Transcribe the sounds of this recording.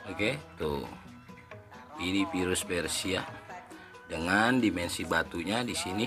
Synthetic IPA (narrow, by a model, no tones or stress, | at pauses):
oket̪ṵ | inipiɾʊspɛrsia | dəŋandimɛnsibat̪uɲadisini